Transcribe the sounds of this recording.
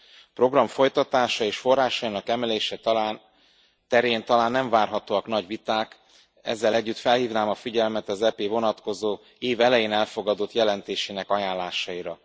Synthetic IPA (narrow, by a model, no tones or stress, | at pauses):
pro̞ɡrɒɱfo̞jt̪ɒt̪aːʃɒeːʃfo̞rːaːʃɒinɒkɛmɛleːʃɛt̪laːn | t̪ɛɾeːnt̪ɒlaːnːɛɱvaːrɦɒt̪oːɒkn̪ɒɟvit̪aːk | ɛ̰zːɛlɛɟːyt̪fɛlhiːvnaːmɒfiɟɛlmɛt̪ɒzɛpeːvo̞nɒt̪ko̞zoː | eːvɛlɛjeːnɛlfo̞ɡɒd̪o̞t̪jɛlɛnt̪eːʃeːnɛkɒjaːnlaːʃɒiɾɒ